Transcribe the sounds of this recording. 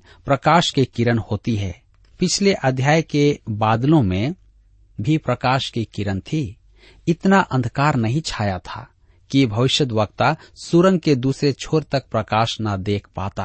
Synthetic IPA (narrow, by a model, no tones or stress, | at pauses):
pɾəkaːʃkekɪɾənhoːt̪iɦɛː | pɪt͡ʃʰleʔəd̪ʱjaːjkebaːd̪lõmẽ | bʱipɾəkaːʃkekɪɾənt̪ʰi | ɪt̪naʔə̃nd̪ʱkaːɾnəɦĩt͡ʃʰaːjat̪ʰa̰ | kibʱəʋɪʃjəd̪ʋək̚t̪asuɾə̃ŋɡked̪uːsɾet͡ʃʰoːɾt̪ək̚pɾəkaːʃnad̪eːkʰpaːt̪aː